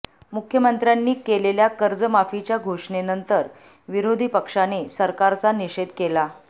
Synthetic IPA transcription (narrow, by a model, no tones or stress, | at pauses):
mukʰjəmənt̪ɾjanːiːkeleljakəɾd͡zəmafit͡ɕjaɡʱoʂɳenənt̪əɾ | ʋiɾod̪ʱipəkʂanesəɾkaɾt͡saniɕed̪kela